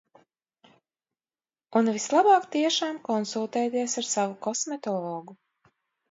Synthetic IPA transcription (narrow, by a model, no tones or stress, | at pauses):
unvislˠabɑːkt̪iɛʃaːmkɔnsulˠt̪ɛːt̪iɛsaɾsavukɔsmɛt̪ɔlˠɔːɡu